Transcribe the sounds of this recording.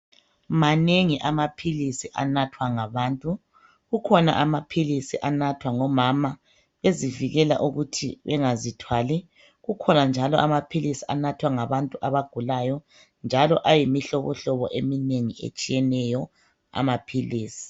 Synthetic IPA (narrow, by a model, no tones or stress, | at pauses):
maneŋiʔamapʰilisiʔa̰natʰwaŋaβaːntʼu | ɣukʰɔna̰ʔamapʰilisiʔanatʰwaŋɔmama | βeziviɣɛla̰ʔuɣutʰḭβɛŋazitʰwali | ɣukʰɔnand͡ʒʱalɔʔamapʰilisianatʰwaŋaβantʼuʔaβaɡ̥ʱulajɔ | nd͡ʒʱalɔ̰ʔajimiɬɔβɔɬɔβɔ̰ʔemineŋiḛt͡ʃʼijɛnɛjɔ | a̰mapʰiliːsi̥